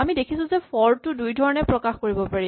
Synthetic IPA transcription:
amidekʰisʊ̃zɛpʰɔɹtʊdujdʱɔɹɔnɛpɹɔkaxkoɹibɔpaɹi

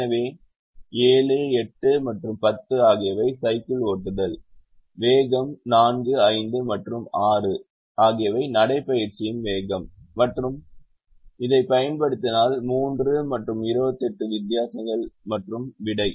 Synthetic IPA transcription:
ɐʋeː | eːlɯɛʈːɯmɐʈrɯmpɐt̪ːɯaːɣɪjɐʋɐɪsɐɪkɪloːʈːɯðɐl | ʋeːɣɐmnaːnɡɯɐɪnd̪ɯmɐʈrɯmaːrɯ | ʔaːɣɪjɐʋɐɪnɐɽɐɪpːɐjɪɾt͡ʃɪjɯnʋeːɣɐmːɐʈrɯm | ɪðɐɪpɐjɐnpɐɽɯt̪ːɪnaːlmuːndrɯmɐʈrɯmɪɾɯbɐt̪ːɛʈːɯʋɪd̪ːjaːsɐŋɡɐɭmɐʈrɯmʋɪɽɐɪ

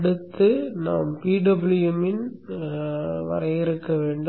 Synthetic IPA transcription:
ɽɯt̪ːɯnaːmpiːɖɐbɪlɪjɐmɪn | ʋɐ̰ɾɐjɪɾɯkːɐʋeːɳɖ

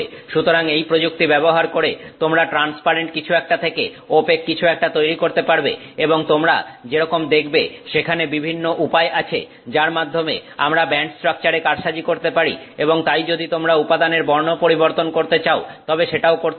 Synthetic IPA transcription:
ʃut̪oɾaŋejpɾod͡ʑuk̚t̪ibɛboɦaɾkoɾet̪omɾaʈɾanspaɾeɳʈ̚kit͡ɕʰuɛk̚ʈat̪ʰekḛ | opekːit͡ɕʰuɛk̚ʈat̪ojɾikoɾt̪epaɾbḛeboŋt̪omɾa̰d͡ʑeɾɔkomd̪ekʰbeʃekʰanebibʱinːoʔupaeʔat͡ɕʰḛ | d͡ʑaɾmad̪ʱːomḛa̰mɾabɛɳʈsʈɾak̚t͡ɕaɾekaɾʃad͡ʑikoɾt̪epaɾḭeboŋt̪ajd͡ʑod̪it̪omɾaupad̪aneɾbɔɾnopoɾiboɾt̪onkoɾt̪et͡ɕaot̪ɔbeʃeʈaokoɾ

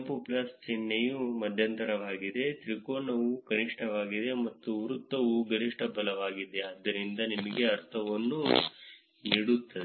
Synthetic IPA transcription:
puplɐst͡ʃenːejumɐd̪ʱjɐnt̪ɐɾɐʋaːɡid̪e̞t̪ɾikoːnɐʋukɐniʂʈʰɐʋaːɡid̪e̞mɐt̪ːuʋɾut̪ːɐʋuɡɐniʂʈʰɐbɐlɐʋaːɡid̪e̞ɐd̪ːɐɾind̪ɐnimɐɡe̞ɐɾt̪ʰɐʋɐnːu | niːɽut̪ːɐd̪e

